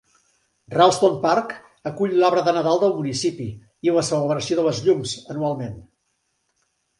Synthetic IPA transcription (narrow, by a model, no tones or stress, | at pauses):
ralˠst̪onpark | əkuʎlɔβɾəðənəðalˠd̪əlˠmunisipi | iləsələβɾəsioðələzʎumzənualˠmen